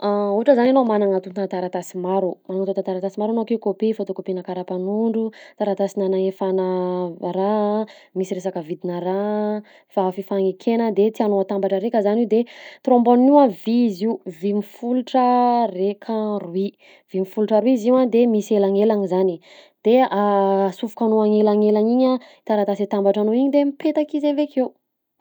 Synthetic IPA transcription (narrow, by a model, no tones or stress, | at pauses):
auaʈ͡ʂəzananomanaŋat̪unt̪ant̪aɾat̪asimaɾumanaŋat̪ot̪ant̪aɾat̪asimaɾanokiukopifot̪okopinakaɾapanuɳɖ͡ʐut̪aɾat̪asinanaefanəɾamisiɾesakəvid̪inəɾa | faafifaŋekʰenəd̪et̪ianoat̪ambaʈ͡ʂəɾekəzaniwd̪et̪rõmbonniwaviiziwvimifuluʈ͡ʂərekʰaruwi | vimifuluʈ͡ʂəɾwiziwad̪emiselaŋelaŋizani | d̪̥easufu̥kanoaŋelaŋelaɲiɲa | t̪aɾat̪asit̪ambaʈ͡ʂanoiɲid̪emipet̪akizevekʰew